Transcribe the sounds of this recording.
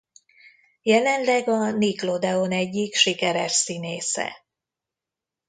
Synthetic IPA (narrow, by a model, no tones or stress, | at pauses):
jɛlɛnlɛɡɒniklo̞d̪ɛonɛɟːikʃikɛɾɛʃsineːsɛ̰